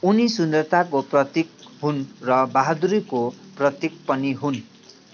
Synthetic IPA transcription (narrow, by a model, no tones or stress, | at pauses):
unisund̪ʌrt̪akoprʌt̪ik̚ɦunrʌbaɦad̪uɾikoprʌt̪ik̚pʌniɦun